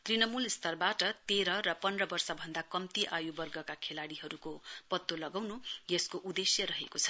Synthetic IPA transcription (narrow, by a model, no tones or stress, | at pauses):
t̪rinʌmulist̪ʌrbaʈʌt̪eɾʌɾʌpʌnrʌbʌrsʌbʱʌnd̪akʌmt̪iʔajubʌrɡʌkakʰelaɽiɦʌɾukopʌt̪ːolʌɡawnujeskoʔud̪esjʌɾʌɦekot͡sʰʌ̥